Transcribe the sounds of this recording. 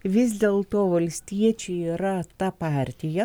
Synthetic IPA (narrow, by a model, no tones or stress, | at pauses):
ʋʲɪzʲd̪ʲeːlˠt̪oːʋɐlʲsʲt̪ʲiɛt͡ʃʲɛiːɾɐt̪ɐpɑɾʲt̪ʲɪjɛ